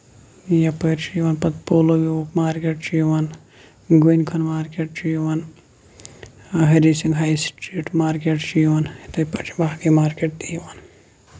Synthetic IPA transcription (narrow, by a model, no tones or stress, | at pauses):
jɐpəːɾt͡ʃijʋɐnpɐt̪poːloʋiopmaːɾkeːʈt͡ʃijʋɐn | ɡunkʰɐnmaːɾkeːʈt͡ʃijʋɐn | ɦɐɾisiŋɡɦajsʈɾiːʈmaːɾkeʈt͡ʃiʋɐnit̪ɐpɐt͡ʃʰi̥baːɡimaːɾkeʈ̚t̪ijʋɐn